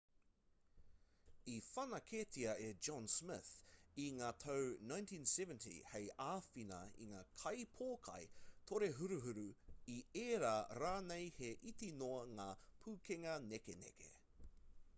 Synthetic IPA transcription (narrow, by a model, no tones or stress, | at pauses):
ifɐnɐkʰeːtiɐed͡ʒɔnsmɪθiŋaːtʰɐwnãj̃ntʰĩːnsɛvɛntʰḭhejaːfinɐ̰ḭŋaːkʰɐjpʰoːkʰɐ̰jtʰoɾeɦuɾuɦuɾuieːɾaːɾaːnejheʔitinoɐŋaːpʰuːkʰeŋɐnekenḛkʰḛ